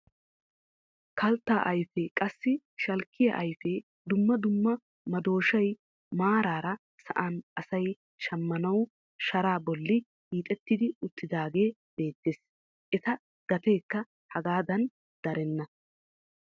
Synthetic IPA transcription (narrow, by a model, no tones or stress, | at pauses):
kɐlt̪ːaːʔɐjfɛkʼɐsːɪ | ʃɐlkʰːɪjɐ̰ʔɐjfɛ | d̪ʊmːɐd̪ʊmːɐ | mɐd̪o̞ːʃɐj | maːɾaːɾɐ | sɐ̰ʔanɐsɐj | ʃɐmːɐnɐw | ʃɐɾaːbɔlːɪ | hiːt̪ʼɛt̪ːɪd̪ɪʊt̪ːɪd̪aːɡe̞ː | b̥e̞ːt̪ːeːs | ʔɛt̪ɐ | ɡ̥ɐt̪e̞ːkːɐ | hɐɡaːd̪ɐn | d̪̥ɐɾɛnːɐ